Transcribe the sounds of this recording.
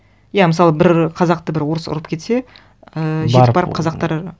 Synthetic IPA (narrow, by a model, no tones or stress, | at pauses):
jamɪsɑlˠəbɪɾqʰɑzɑq̚t̪əbɪɾwoɾəsʊ̰ɾəpkʲʰe̞t̪se̞ | əʒekpbɑɾəpqʰɑzɑq̚t̪ɑɾ